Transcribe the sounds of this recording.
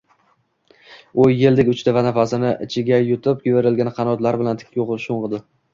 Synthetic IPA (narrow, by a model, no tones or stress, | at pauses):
ojːeld̪ɪkʲʊt͡ʃt̪avanafasɪnɪʔɪt͡ʃʰɪɡʲajʊt̪ʰɪp̚kʲʊbeɾɪlɡʲanqʰɑnɒt̪laɾbɪlant̪ʰɪ̥kʲʰːoʁʃoɴʁɨd̪ɪ